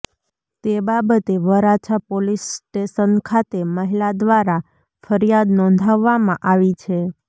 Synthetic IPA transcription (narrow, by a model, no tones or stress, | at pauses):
t̪ebabət̪eʋəɾat͡ʃʰapolisʈeʃənkʰat̪eməɦilad̪ʋaɾa | fəɾijad̪nɔ̃nd̪ʱaʋːamãʔaʋit͡ʃʰe